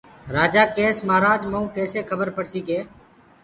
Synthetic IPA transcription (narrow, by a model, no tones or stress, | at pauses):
ɾaːd͡ʒaːkeːsmaːɾaːd͡ʒmũːkɛːseːkʰəbəɾpəɽsiːkeː